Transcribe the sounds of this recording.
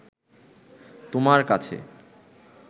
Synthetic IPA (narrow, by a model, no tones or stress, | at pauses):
t̪omaɾkat͡ɕʰḛ